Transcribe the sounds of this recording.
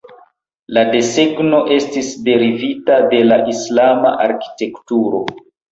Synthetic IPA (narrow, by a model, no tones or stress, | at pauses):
ladese̞ɡno̞ʔe̞stisde̞ɾivitade̞laʔislama̰ʔaɾki̥te̞ktuɾo̞̰